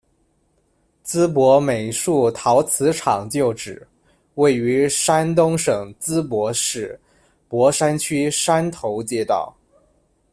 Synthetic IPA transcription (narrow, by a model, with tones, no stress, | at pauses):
t͡sɹ̩˥p̬wɔ˧˥me˨˩ɪʂu˥˩t̪ʰɑ˧˥ʊt͡sʰɹ̩˧˥ʈ͡ʂʰɑ˨˩ŋt͡ɕjo˥˩ʊʈ͡ʂɻ̩˨˩ | we˥˩ɪy˧˥ʂa˥nt̪ʊ˥ŋʂɤ˨˩ŋt͡sɹ̩˥pwɔ˧˥ʂɻ̩˥˩ | pwɔ˧˥ʂa˥nt͡ɕʰy˥ʂa˥nt̪ʰo˧˥ʊt͡ɕjɛ˥˧t̪ɑ̰˥˩ʊ